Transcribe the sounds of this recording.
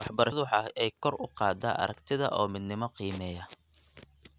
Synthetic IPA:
wɑħbɐɾɐðwħɑɛjkʰɔrʊqɑːd̪aʔɐ̰ɾɐkt̪ʰɪðɐ̰ʔɔːmɪd̪nɪmɔqiːmɛːjɐ

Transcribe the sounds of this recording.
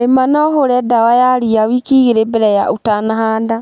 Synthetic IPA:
emanaɦoɾɛdawajaɾiawikiɣeɾebɛɾɛjaotanaɦaːnda

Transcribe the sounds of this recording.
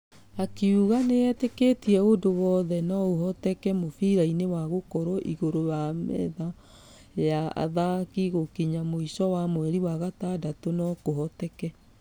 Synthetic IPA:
akiuɣaneɛteketiɛodowɔðɛnɔoɦɔtɛkɛmofiɾainewaɣokɔɾɔʔiɣoɾojamɛ̰ða | jaa̰ðakiɣokiɲamoisɔwamwɛɾiwaɣatadatonɔkoɦɔtɛkɛ

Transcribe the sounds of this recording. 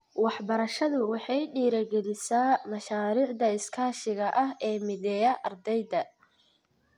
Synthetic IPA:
wɑħbɐɾɐʃɐðʊwɑħɑjɖiːɾɐɡɛlɪsaːmɐʃaːɾiːʕd̪ɐɪskʰaːʃɪɣɐʔɐɦɛːmɪðɛːjɐʔɐrd̪ɛjd̪ɐ

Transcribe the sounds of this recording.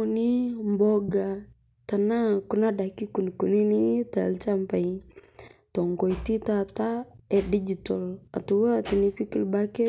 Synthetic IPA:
unimbɔɡa | t̪anakunadakikunikuninit̪alt͡ʃampai | t̪ɔŋkɔit̪it̪at̪aɛdid͡ʒitɔla̰t̪uwat̪inipikilbakɛ

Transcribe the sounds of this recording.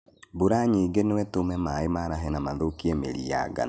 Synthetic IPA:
boɾaɲiːɡenewɛtomɛmaemaɾaɦɛnamaðokiemḛɾḭja̰ɡa̰n

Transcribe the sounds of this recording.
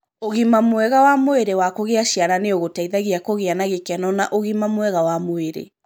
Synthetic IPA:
oɣimamwɛɣawamoeɾewakoɣeaʃiaɾaneoɣotaiðaɣiakoɣeanaɣekɛnɔnaʔoɣimamwɛɣawamoeɾḛ

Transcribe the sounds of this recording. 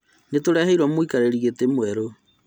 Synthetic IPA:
netoɾɛheiɾwamoikaɾeɾiɣetemwɛɾo

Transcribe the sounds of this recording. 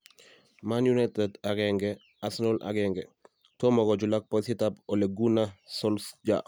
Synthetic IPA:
manjunajtɛdaɡɛŋɡɛ | asnɔlʔa̰ɡɛŋɡɛ | tomɔɡɔd͡ʒulak̚pɔsitapɔleɡunasɔlsd͡ʒa̰

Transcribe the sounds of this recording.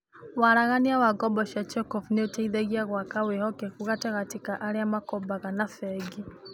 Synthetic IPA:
waɾaɣaniawaɡɔbɔʃat͡ʃɔkɔvneotaiðɛɣiaɣwakawehɔkɛkuɣatɛɣatikaʔaɾeamakɔbaɣanafɛɡi

